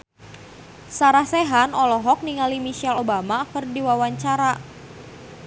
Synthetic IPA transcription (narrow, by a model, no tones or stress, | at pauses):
saɾahsɛɦanɔlɔɦɔk̚niŋalimisɛlobamakərdiwawaɲt͡ʃaɾa